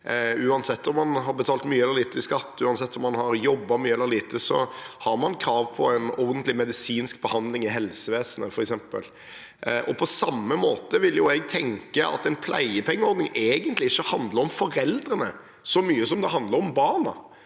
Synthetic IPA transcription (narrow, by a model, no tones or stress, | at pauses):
ʉːɑnsɛt̪ːɔmːɑnɦɑɾbət̪ʰɑːlt̪myːəɛlːəliːt̪əɪskɑt̪ːʉːɑnsɛt̪ːɔmːɑnhɑɾjɔbːɑmyːəɛlːəɾliːt̪əsɔ̰hɑɾmɑnkʰɾɑːʋpʰɔɛnɔʁd̪ənt̪lɪmɛd̪ɪsiːnsk̚bəhɑnd̪lɪŋɪɦɛlsəʋeːsənəfɔɾɛksɛmpə̰l | ʔɔpʰɔsɑmːəmoːt̪əʋɪljʊɛɡt̪ʰɛŋkəʔɑ̰t̪ɛnpʰlæ̰ɪəpʰɛŋːəɔɾd̪nɪŋʔeːɡənt̪lɪɪçːəhɑnd̪ləɾɔmfɔɾɛld̪ɾənə | sɔmyːəsɔmd̪ɛɦɑnd̪ləɾɔmbɑːɾnɑ̰